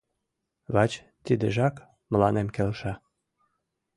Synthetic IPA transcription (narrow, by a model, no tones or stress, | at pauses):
βɑt͡ɕ | t̪id̪eʒɑk | mə̆lɑnemkelʃɑ